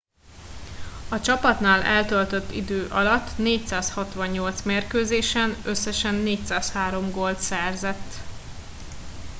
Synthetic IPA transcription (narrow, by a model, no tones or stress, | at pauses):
ɒt͡ʃɒpɒt̪naːlɛlt̪ølt̪øt̪ːḭd̪øːʔɒlɒt̪ːneːc̚saːshɒt̪ʋɒɲːo̞lt̪smeːrkøːzeːʃɛnø̞sːɛʃɛnːeːcsaːshaːɾo̞mɡo̞lt̪sɛrzɛt̪ː